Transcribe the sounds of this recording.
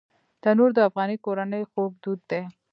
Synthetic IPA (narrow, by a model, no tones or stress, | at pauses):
d̪̥anoɾd̪əafɣɑnikoɾanəjxob̚d̪ud̪ːe